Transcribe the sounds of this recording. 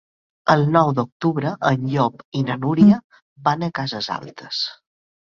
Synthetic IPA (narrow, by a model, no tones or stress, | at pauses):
əlˠnɔwd̪uk̚t̪uβɾəʔənʎɔpinənuɾiə | banəkazəza̰lˠt̪ə̥s